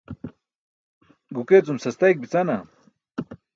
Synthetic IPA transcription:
ɢʊket͡sʊmsast̪ajkɪpɪt͡sana

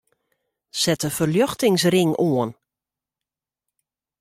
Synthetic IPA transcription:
sɛtəfərljɔxtɪŋsrɪŋʔoən

